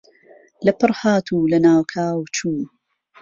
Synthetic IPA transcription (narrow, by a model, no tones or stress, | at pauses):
lɐpɨɾˤhaːt̪ʰuːlɐnaːwkʰaːwt͡ʃuː